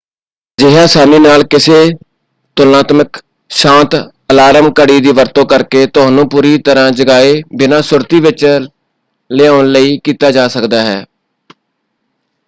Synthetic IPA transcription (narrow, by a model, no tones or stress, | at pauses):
d͡ʒɪɦaːsaːmiːnaːlkɪseː | t̪ʊlnaːt̪mək | ʃãːnt̪ | əlaːɾəmkəɽiːd̪iːʋəɾt̪õːkəɾkeːt̪ʊɦãːnũːpuːɾiːt̪əɾãːd͡ʒəɡaːeːbɪnãːsʊɾt̪iːʋɪt͡ʃ | lɪaːʊnləiːkiːt̪aːd͡ʒaːsəkd̪aːɦɛ̰ː